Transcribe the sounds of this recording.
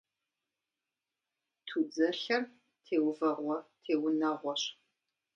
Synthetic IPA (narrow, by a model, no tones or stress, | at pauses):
tʰud͡zɐɬɐm | tʰeːwvɐrʷɔtʰeːwʊnɐʁʷɔɕ